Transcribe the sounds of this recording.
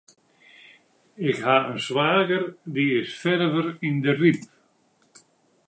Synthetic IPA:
ɪɣhaœnsvaːɣəɾðiɪsfɛɾvʏɾinðɪrip

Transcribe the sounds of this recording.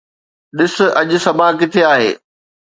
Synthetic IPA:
ɗɪsʊ̆ʔɐʄʊ̆sɐbʱakɪt̪ʰeaːɦḛː

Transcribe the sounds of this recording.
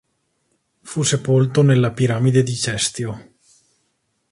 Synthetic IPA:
fusepolt̪onelːapiɾamid̪ed̪it͡ʃɛst̪jo

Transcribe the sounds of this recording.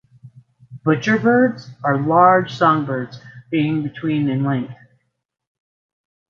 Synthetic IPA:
b̥ʊt͡ʃə˞bɜ˞dzə˞lɑɹd̥ʒ̥sɔ̃ŋbɜ˞dzb̥iɪ̃ŋbɨtʰw̥ĩnɨ̃nlɛ̃ŋk̚θ

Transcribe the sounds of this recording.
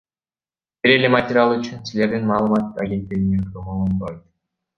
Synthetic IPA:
b̥iɾe̞lematʲɪɾʲɪalˠyt͡ʃynsile̞ɾd̪inmɑːlˠɯmɑt̪aɡʲe̞nt̪ːeɡinenk̪omolˠonb̪ojt̪

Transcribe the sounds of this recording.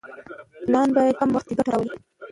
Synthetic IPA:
lɑnbɑjad̪̚kamwaxt̪eɡaʈaɾawəli

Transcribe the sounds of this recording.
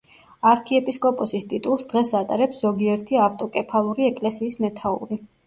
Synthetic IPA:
aɾkʰiɛpʼiskʼɔpʼɔsist̪ʼit̪ʼulˠsd̪̥ʁɛsat̪ʼaɾɛpsz̥ɔɡiɛɾt̪ʰiaft̪ʼɔkʼɛpʰalˠuɾiɛkʼlɛsiːsmɛt̪ʰaṵɾi

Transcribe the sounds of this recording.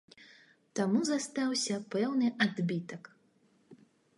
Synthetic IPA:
t̪amuzast̪awsʲɐpɛwnɨʔad̪bʲit̪ɐk

